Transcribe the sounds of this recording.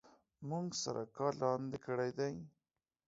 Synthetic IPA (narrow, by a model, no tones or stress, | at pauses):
muŋɡsa̰ɾʔa̰kɑlɑnd̪ekəɽajd̪aj